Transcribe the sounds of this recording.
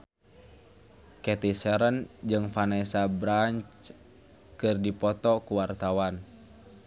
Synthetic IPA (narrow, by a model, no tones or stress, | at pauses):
kɛt̪isɛɾənd͡ʒɨŋfanasabɾaɲt͡ʃ | kɨrdipɔt̪ɔkuwart̪awan